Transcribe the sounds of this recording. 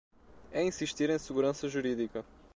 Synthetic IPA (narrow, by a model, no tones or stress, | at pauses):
ɛĩsiʃt̪iɾẽj̃sɨɣuɾɐ̃sɐʒuɾiðikɐ